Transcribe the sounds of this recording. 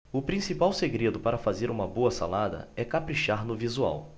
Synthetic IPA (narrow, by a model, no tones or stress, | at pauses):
ʊpɾĩsipawseɡɾed̪ʊpaɾɐfazeɾũmɐboɐsa̰lad̪ɐ̰ɛkapɾiʃaɾnʊvizua̰w